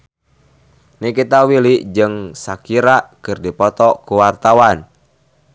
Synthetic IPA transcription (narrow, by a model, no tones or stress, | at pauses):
nikit̪awiliʔd͡ʒɨŋsakiɾaʔkɨrdipɔt̪ɔkuwart̪awan